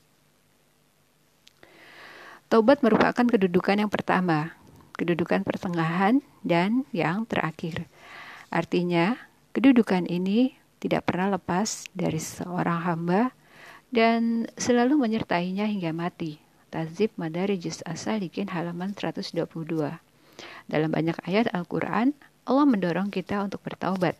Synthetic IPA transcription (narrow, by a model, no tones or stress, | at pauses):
t̪obat̪̚məɾupa̰kankədudukanjaŋpərt̪ama | kədudukanpərt̪əŋaɦan | danjaŋt̪ə̰rʔa̰kɪrʔart̪iɲa | kədudukanʔini | t̪ida̰ʔpərnahləpasda̰ɾisə̰oɾaŋɦamba | dansəlaluməɲərt̪aiɲaɦiŋɡamat̪i | t̪azɪp̚madaɾid͡ʒɪsa̰salikɪnɦalamansəɾa̰t̪ʊsduapuludua | da̰lamba̰ɲakajat̪alkṵɾʔa̰n | ɔlaməndɔɾɔŋkit̪aunt̪ʊk̚bərt̪a̰ubat̪̚